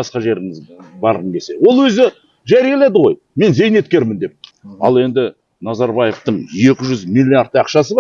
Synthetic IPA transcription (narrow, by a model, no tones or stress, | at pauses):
ɑsqɑʒe̞ɾɪŋɪzbɑɾʁənɡʲe̞se̞wo̞lˠwɵzɪ | ʒæɾijelˠe̞d̪əʁo̞j | me̞nze̞jne̞t̪̚kʲe̞ɾmɪnd̪e̞p̚ | ɑ̰lˠe̞nd̪ɪ | nɑzɑɾbɑjeft̪əɴje̞kʲɪʒʏzmilʲːiaɾt̪̚ːɑqʃɑsəbɑ